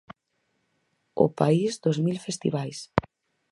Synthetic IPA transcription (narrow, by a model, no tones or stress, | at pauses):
ʊ̰paizd̪ozmilfest̪ḭβajs